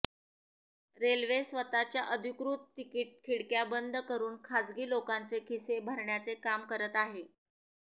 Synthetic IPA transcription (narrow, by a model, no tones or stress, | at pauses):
ɾelʋesʋət̪at͡ɕjaʔəd̪ʱikɾuːt̪ːikiʈ̚kʰiɽkjabənd̪ʱkəɾuːnkʰad͡zɡiːlokant͡sekʰisebʱəɾɳjat͡sekamkəɾət̪aɦe